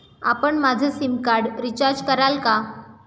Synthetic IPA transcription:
a̰pəɳmad͡zʱəsimkaɽɾit͡ɕaɾd͡ʑkəɾalka

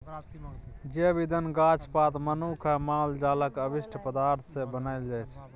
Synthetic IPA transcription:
d͡ʒebid̪ənɡat͡ʃʰpat̪mənukʰəmald͡ʒaləkəbiʃʈʰəpəd̪aɾt̪ʰsebənəɪld͡ʒɛt͡ʃʰ

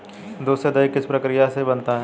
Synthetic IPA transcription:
d̪oːsed̪ɐjkːɪspɾɐkɾijasebɐnt̪aɦɛ

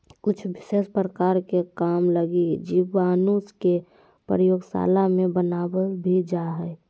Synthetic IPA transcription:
kʊt͡ʃʰʋɪʃeːspɾəkaːɾkekaːmləɡid͡ʒiʋaːnuske | pɾɾəjoːɡsa̰ːlamẽbənaːbəlbʱid͡ʒaɦɛ

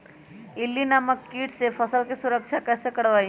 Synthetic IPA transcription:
ɪlːinaməkːiːʈsefʰəsəlkesʊɾəkʃʰakɛːsekəɽʋaːi

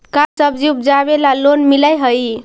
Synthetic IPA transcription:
kasəbd͡ʒiup̚d͡ʒaβelalonmilajɦəj

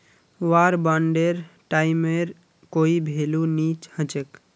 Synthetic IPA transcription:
ʋaɾbaɳɖeɾʈaɪmeɾ | koːibʱelunit͡ʃhə̃t͡ʃek

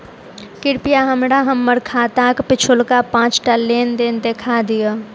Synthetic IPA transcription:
kɪɾpijaɦəmɽaɦəmːəɾkʰaːt̪akpɪt͡ʃʰʊlkapãːt͡ʃʈaleːnd̪end̪eːkʰad̪ɪja

